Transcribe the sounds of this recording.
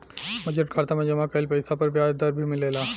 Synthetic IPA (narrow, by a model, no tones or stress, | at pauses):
mɐd͡ʒəʈ̚kʰaːɾt̪amẽd͡ʒɐmakɐɪlpɐɪsapɐɾpjaːd͡ʒd̪ɐɾbʱimɪleːlaː